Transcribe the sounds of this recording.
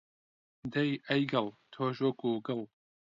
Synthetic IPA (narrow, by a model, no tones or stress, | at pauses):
d̪ɐjɐjɡɐlˠt̪ʰoːʃwɐkuːɡɨlˠ